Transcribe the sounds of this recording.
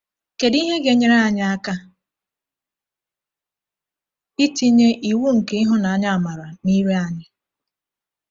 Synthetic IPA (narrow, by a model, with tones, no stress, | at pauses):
ke˨di˦ɦe˦ɡe˨ɲe˨ɾe˦a˨ɲɪ˦a˦ka˦ | i˦ti˦ɲe˦ʔi˨wu˦ŋ̩˨ke˨i˦ɦʊ˦na˨a˨ɲa˦a˨ma˨ɾa˨ni˦ɾe˦a˨ɲɪ˦